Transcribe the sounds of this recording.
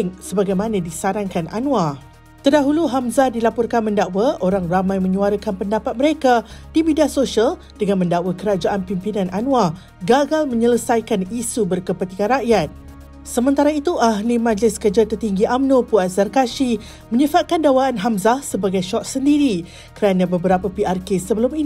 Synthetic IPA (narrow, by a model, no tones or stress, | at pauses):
ŋsəbaɡajmãnãdisaɾaŋkanʔa̰nũa | t̪ərdaɦuluɦamzadilapɔrkanmə̃ndawaʔoɾaŋramãjmə̃ɲuaɾəkanpəndapat̪̚məɾekad̥imidiasosial | d̥əŋãnmə̃ndawakəɾad͡ʒaʔanpimpinãnʔanũwa | ɡaɡalmə̃ɲələsajkanisubərkəpət̪ikanraʔjat̪̚ | səmə̃nt̪aɾait̪uʔaɦlimãd͡ʒlɪskəd͡ʒat̪ərt̪iŋɡiʔamnõpuazarkaʃi | mə̃ɲəfat̪̚kandawaːnɦamzahsəbaɡajʃɔʔ̚səndiɾi | kəɾanãbəbəɾapapiarkesəbəlʊmin